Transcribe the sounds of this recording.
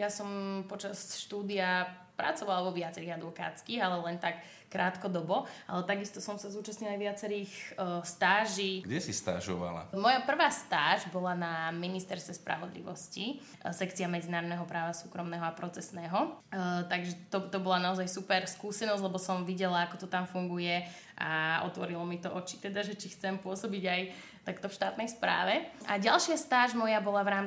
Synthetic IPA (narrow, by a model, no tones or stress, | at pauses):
jasɔmpɔt͡ʃasʃt̪uːd̪ia | pɾa̰t͡sɔʋalaʋɔʋɪat͡sɛɾiːɣad̪ʋɔka̰ːt͡skiːɣalɛlɛnt̪akː | ɾaːt̪kɔd̪ɔbɔʔa̰lɛt̪aɡist̪ɔsɔmsazuːt͡ʃasɲilajʋɪat͡sɛɾiːxst̪aːʒiːɡɟɛsist̪a̰ʒɔ̰ʋa̰la̰mɔjapr̩ʋaːst̪aːʒbɔlanaminist̪ɛɾst̪ʋɛspɾa̰ʋɔd̪lḭʋɔsci | sɛkt͡siamɛd͡zinaːɾɔd̪nɛɦɔpɾaːʋasuːkɾɔmnɛːɦɔapɾɔt͡sɛsnɛːɦɔt̪aɡʒɛt̪ɔt̪ɔbɔlanaɔzajsupɛɾskuːsɛnɔzlɛbɔsɔmʋiɟɛlaakɔt̪ɔt̪amfuŋɡujɛ | ʔa̰ɔ̰t̪ʋɔɾilɔmit̪ɔʔɔt͡ʃi̥t̪ɛd̪aʒɛt͡ʃixt͡sɛmpʊɔsɔbiɟaj | t̪akt̪ɔfʃt̪aːt̪nɛjspɾa̰ːʋɛʔaɟalˠʃɪast̪aːʒmɔjabɔlaʋɾaːm